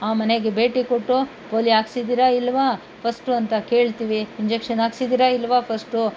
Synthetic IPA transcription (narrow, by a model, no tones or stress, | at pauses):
aːmɐne̞ɡebe̞ːʈikoʈːu | poːliaːɡsid̪iɾaːilːʋaː | pʰɐsʈuɐnt̪ɐke̞ːɭt̪iʋiiɲd͡ʒekʂɐnaːɡsid̪iɾailːʋaːpʰɐsʈu